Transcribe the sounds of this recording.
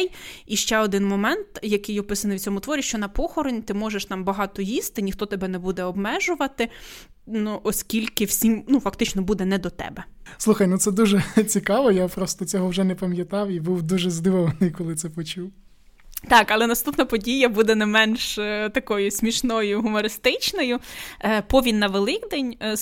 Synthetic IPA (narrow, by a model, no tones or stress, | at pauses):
jiʃt͡ʃɛɔd̪ɪnmɔmɛnt̪jɐkɪjɔpɪsɐnɪwt͡sʲɔmʊt̪ʋɔɾʲiʃt͡ʃɔnɐpɔxɔɾɪnʲt̪ɪmɔʒeʃt̪ɑmbɐɦɑt̪ɔjist̪ɪnʲixt̪ɔt̪ɛbɛnɛbud̪ɛɔbmɛʒʊʋɐt̪ɪ | nuʔɔsʲkʲilʲkɪwsʲimnufɐkt̪ɪt͡ʃnɔbud̪ɛnɛd̪ɔt̪ɛ̰bɛslˠuxɐjnut̪sɛd̪uʒɛt͡sʲikɑʋɔjapɾɔst̪ɔt͡sʲɔɦɔwʒɛnɛpɐmʲjɐt̪ɑwibuwd̪uʒɛzd̪ɪʋɔʋɐnɪjkɔlˠɪt̪sɛpɔt͡ʃuw | t̪ɑkɐlˠɛnɐst̪upnɐpɔdʲijɐbud̪ɛnɛmɛnʃt̪ɐkɔjʊsʲmʲiʃnɔjʊɦʊmɔɾɪst̪ɪt͡ʃnɔjʊpɔʋʲinːɐʋelˠɪkd̪ɛnʲ